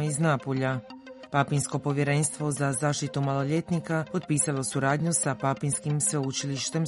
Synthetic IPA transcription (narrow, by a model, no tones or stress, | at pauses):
iznaːpoʎapapinsko̞po̞ʋje̞ɾe̞nst̪ʋo̞zazaːʃt̪it̪umalˠo̞ʎe̞t̪nikapo̞d̪piːsalˠo̞suɾaːd̪ɲusapapinskimsʋe̞ut͡ʃiliʃt̪e̞m